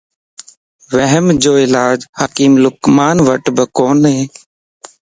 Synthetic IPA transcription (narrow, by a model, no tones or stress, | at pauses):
ʋəɦəmd͡ʒoːɪlaːd͡ʒhaːkiːmlʊkmaːnʋəʈbəkoːnɦeː